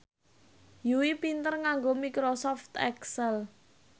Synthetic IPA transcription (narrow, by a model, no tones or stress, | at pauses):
juwipint̪ərŋaŋɡomikɾosɔft̪ɛksɛl